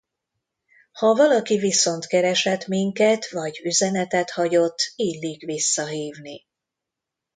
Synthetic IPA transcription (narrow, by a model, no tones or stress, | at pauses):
hɒvɒlɒkiviso̞nt̪kɛɾɛʃɛt̪miŋkɛt̪ʋɒɟyzɛnɛt̪ɛt̪hɒɟo̞t̪ːiːlːiːkʋisːɒɦiːvni